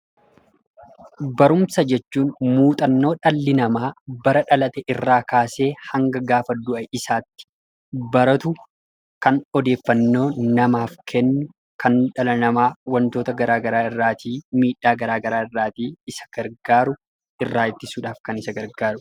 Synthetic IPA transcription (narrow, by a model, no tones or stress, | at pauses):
bɐɾʊmsɐd͡ʒɛt͡ʃːuːnmuːt̪ʼɐnːo̞ːᶑɐlːɪnɐmaːbɐɾɐᶑɐlɐt̪ɛʔɪrːaːkaːse̞ːhɐŋɡɐɡaːfɐd̪ʊʔɐʔɪsaːt̪ːɪ̥ | bɐɾɐt̪ʊ | kɐnɔd̪e̞ːfːɐnːo̞ːnɐmaːfkʰɛnːʊ | kɐnᶑɐlɐnɐmaːwɐnt̪o̞ːt̪ɐɡɐɾaːɡɐɾaːɪrːaːt̪ʰiːmiːᶑːaːɡɐɾaːɡɐɾaːɪrːaːt̪iːɪsɐ̥ɡ̥ɐɾɡaːɾʊ | ʔɪrːaːɪt̪ːɪsuːᶑaːfkɐnɪsɐɡɐɾɡaːɾʊ